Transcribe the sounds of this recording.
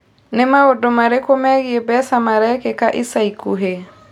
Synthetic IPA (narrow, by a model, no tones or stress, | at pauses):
nɛmaodomaɾekomɛɣɪebɛsamaɾɛkekaʔisaikuɦe